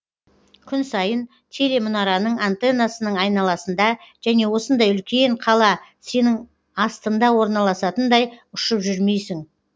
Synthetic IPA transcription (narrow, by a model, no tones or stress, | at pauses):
kʲʰʏnsɑjən | t̪ʲʰe̞le̞mʊnɑɾɑnəɴant̪e̞nasənəɴɑjnɑlˠɑsənd̪ɑʒ̥æne̞wo̞sənd̪ɑjʏlkʲe̞ɴqʰɑlˠɑse̞nɪŋ | ɑst̪ənd̪ɑwo̞ɾnɑlˠɑsɑt̪ənd̪ɑjʊʃəpʒʏɾme̞jsɪŋ